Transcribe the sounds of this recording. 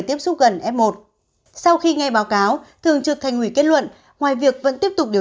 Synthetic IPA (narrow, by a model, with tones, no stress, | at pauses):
jt̪i˦˥əp̚sʊ˦˥k͡p̚ɣə˨˩nʔɛ˦˥p̚mo˨˩t̚ | sa˧wxi˧ŋa˧jɓaː˨˦wkaː˨˦wt̪ʰɨ˨˩əŋt͡ɕɨ˨˩k̚t̪ʰa˨˩jŋ̟hwi˧˩ke˦˥t̚lwə̰˧˨n | ŋwaː˨˩jvi˨˩ək̚və̰˧˥nt̪i˦˥əp̚t̪ʊ˨˩k͡p̚ɗi˨˩